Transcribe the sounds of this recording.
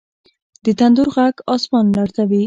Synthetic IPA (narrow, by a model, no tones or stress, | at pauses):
d̪ət̪and̪uɾɣaɡɑsmɑnlaɾt̪ʰawi